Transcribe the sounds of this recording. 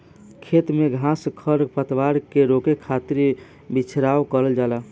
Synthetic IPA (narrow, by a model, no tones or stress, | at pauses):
kʰet̪meɡʱãskʰəɾpət̪waɾkeɾokekʰat̪iɾ | bit͡ʃʰɾawkəɾəld͡ʒala